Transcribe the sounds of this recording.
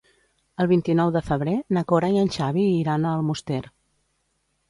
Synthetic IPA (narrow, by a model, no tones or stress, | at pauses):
əlˠβint̪inɔwðəfəβ̞ɾenəkoɾaiənʲʃaβ̞iːɾanəːlˠmust̪ɛɾ